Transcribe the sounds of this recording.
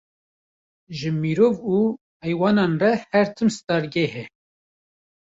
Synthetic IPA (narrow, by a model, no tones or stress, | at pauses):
ʒɨmiɾoːvuː | hɛjwɑːnɑːnrɛhɛɾt̪ʰɨmst̪ɑːɾɡehɛ